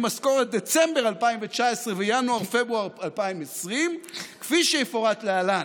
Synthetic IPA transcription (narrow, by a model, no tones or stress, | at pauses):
masko̞ʁet̪̚d̪et͡sembeʁalpaimvet͡ʃaesʁevejanuaʁfebʁuaʁalpaimesʁimkfiʃejefoʁat̪lealan